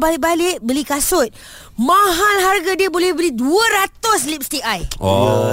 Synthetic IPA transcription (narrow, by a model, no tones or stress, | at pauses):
balɪʔ̚balɪʔ̚bəlikasʊt̪̚ | mãɦalɦarɡadiəbolɛhbəliduəɾat̪ʊslip̚st̪iʔaj